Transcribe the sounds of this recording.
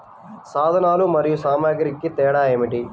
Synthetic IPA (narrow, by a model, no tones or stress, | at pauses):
saːd̪ʱɐnaːlumɐɾijusaːmaːɡɐɾikːit̪ɛːɽaːeːmiʈi